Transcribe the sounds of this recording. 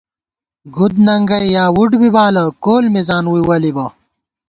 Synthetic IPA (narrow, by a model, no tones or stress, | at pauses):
ɡud̪nɐŋɡɐjjaːwuɖbibaːlɐkoːlmizaːnwuiwɐlibɐ